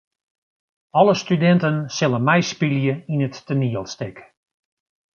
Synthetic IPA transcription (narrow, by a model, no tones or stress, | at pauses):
ɔləstydɛntənsɪlənmɛjspiljəinətːəniəlˠstɪk